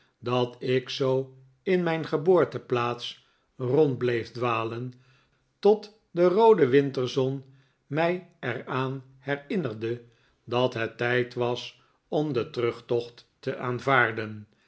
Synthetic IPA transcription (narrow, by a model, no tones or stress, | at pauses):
dɑtɪksow | ɪnmɛjnχəboːɹtəplaːts | rɔnd̚blejfdʋaːlən | tɔt | dərowdəʋɪntəɹzɔn | mɛjɛraːn | hɛrɪnərdə | dɑtɦətːɛjtʋɑs | ɔmdətrɵχtɔχtː | əʔaːnvaːɹdən